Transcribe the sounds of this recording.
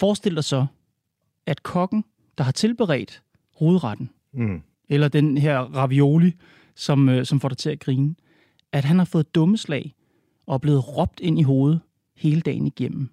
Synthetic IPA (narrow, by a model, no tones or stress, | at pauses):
fɒːsd̥e̝l̰d̥ɑ̈ɪsɒ̽ | æd̥kʰɒ̽ɡ̥n̩ | d̥ɑ̈ɦɑ̈t͡sʰe̝lb̥eʁɛ̰ːɪd̥ | ho̝ːð̞̩ˠʁɑd̥n̩ | elɐd̥enɦeɐ̰ʁɑ̈ʋio̝ːli | sɒ̽møsɒ̽mfɒ̰ːɾɑaɪt͡sʰe̝æɡ̥ʁiːnə | æd̥ɦænhɑ̈fɔ̽ːð̩ˠd̥ɔ̽məslɛ̰ɪ | ɒ̽æb̥le̝ːð̩ˠʁɒ̽b̥̚d̥e̝n̰iɦo̝ːð̞̩ˠ | he̝ːləd̥ɛ̰ːn̩iɡ̥em̰m̩